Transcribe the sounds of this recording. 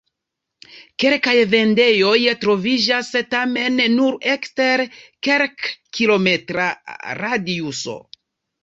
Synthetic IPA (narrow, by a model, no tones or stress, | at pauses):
ke̞lkajve̞nde̞jo̞jtɾo̞vid͡ʒastame̞nːuɾe̞kste̞ɾke̞ɾkːilo̞me̞tɾaɾadiuso̞̰